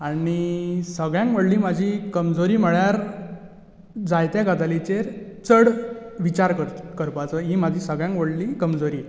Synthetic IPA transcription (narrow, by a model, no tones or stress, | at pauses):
aɽisəɡɭjãŋkʋəɽliːmad͡ʑʱikəmd͡zoɾiːməɭjaɾ | d͡zajt̪ɛ̃ɡad͡z̪alit͡ɕeɾt͡səɽʋit͡ɕaɾkəɾkəɾpat͡səɦiːmad͡ʑʱiːsəɡɭjãŋkʋəɽliːkəmd͡zoɾiː